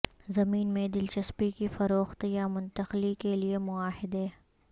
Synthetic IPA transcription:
zɐmiːnmẽd̪ɪlt͡ʃɐspikifɐɾoːxt̪jamʊ̃nt̪əxlikeliemʊaːɦɪd̪e

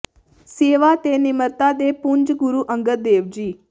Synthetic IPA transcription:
seːʋaːt̪eːnɪməɾt̪aːd̪eːpʊɲd͡ʒɡʊɾuːʔə̃ŋɡət̪̚d̪eːʋd͡ʒiː

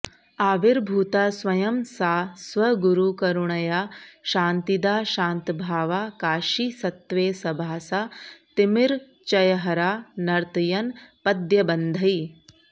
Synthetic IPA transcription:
aːʋiɾbʱuːt̪asʋɐjɐmsaːsʋɐɡuɾukɐɾuɳɐjaːʃaːnt̪id̪aːʃãːnt̪bʱaːʋaːkaːʃisɐt̪ʋeːsɐbʱaːsaːt̪imiɾ | t͡ʃɐjɐɦɐɾaːnɐɾt̪jɐnpɐd̪jɐbɐnd̪ʱɐj

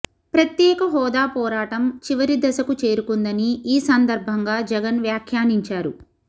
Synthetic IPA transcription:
pɾɐt̪jɛːkɐɦɔːd̪aːpɔːɾaːʈɐmt͡ʃiʋɐɾid̪ɐsɐkut͡ʃe̞ːɾukund̪ɐniiːsɐnd̪ɐɾbʱɐŋɡaːd͡ʒɛɡɐnʋjaːkʰjaːniɲt͡ʃaːɾṵ

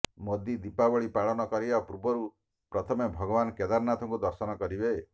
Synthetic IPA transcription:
mod̪id̪ipabɔɭipaɭɔnɔkɔɾibapɾubɔɾu | pɾɔt̪ʰɔmebʱɔɡɔbanked̪aɾnat̪ʰɔŋkud̪ɔɾsɔnɔkɔɾibe

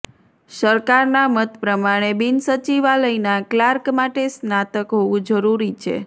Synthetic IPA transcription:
səɾkaɾnamət̪pɾəmaɽ̃ebinsət͡ʃiʋaləinaklaɾkmaʈesnat̪əkɦoʋũd͡ʒəɾuɾit͡ʃʰḛ

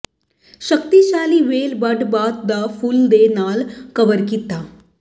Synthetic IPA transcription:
ɕəkt̪iɕaːliːʋelbəɖbat̪̚d̪afuːld̪enalkəʋəɾkit̪a

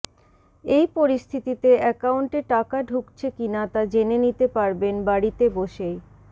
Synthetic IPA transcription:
ejpoɾist̪ʰit̪it̪eɛkauɳʈeʈakaɖʱukt͡ɕʰekinat̪ad͡ʑenenit̪epaɾbenbaɽit̪eboʃej

